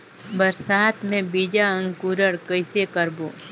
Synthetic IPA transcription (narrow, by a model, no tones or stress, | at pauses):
bəɾsaːt̪mẽbid͡ʒaəŋkuːɾəɽkəɪsekəɾboː